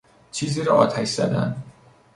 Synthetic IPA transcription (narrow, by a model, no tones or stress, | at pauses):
t͡ʃʰiːziːɾɒːɒ̰ːt̪ʰæʃz̥æ̰d̪æ̰n